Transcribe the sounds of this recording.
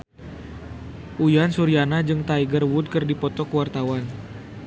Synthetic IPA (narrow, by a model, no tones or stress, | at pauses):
ʔujansuɾianad͡ʒɨŋt̪aiɡərwud̪̚kɨrdipɔt̪ɔkəwart̪awan